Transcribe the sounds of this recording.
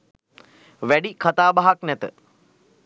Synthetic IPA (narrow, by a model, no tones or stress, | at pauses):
ʋæɖikʰat̪aːbaɦaknɛt̪ə